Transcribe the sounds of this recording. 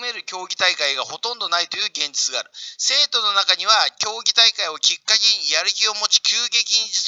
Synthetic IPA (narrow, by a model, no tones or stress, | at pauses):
me̞ɾɯ̟kʲo̞ːɡʲit̪aikaiɡaho̞t̪õ̞nd̪o̞nait̪o̞jɯ̟ːɡẽ̞ɲ̟d͡ʑit͡sɨɡa̰ːɾɯ̟se̞ːt̪o̞no̞nakaɲ̟iβakʲo̞ːɡʲit̪aikaio̞kʲikːakʲiɲjaɾɯ̟kʲio̞mo̞t͡ɕi̥kʲɨːɡe̞kʲiɲ̟id͡ʑi